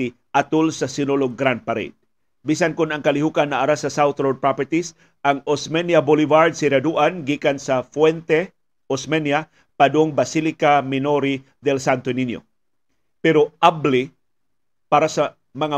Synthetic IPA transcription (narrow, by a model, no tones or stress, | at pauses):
i | ʔat̪ʊlsɐsɪnoloɡɡɾand̪̚paɾɛ̰d̪̥̚ | bisankʊnɐŋkɐlɪɦukanːɐʔɐɾasɐsawθɾod̪̚pɾapɛɹt̪is | ʔɐŋosmɛnjabolɪvaɹd̪̚sɪɾad̪uʔanɡikansɐfwɛnt̪ɛ | osmɛnja | pad̪oŋbɐsilɪkamɪnoɾi | d̪ɛlsant̪oninjo̰ | pɛɾoʔabli | paɾasɐ | mɐŋa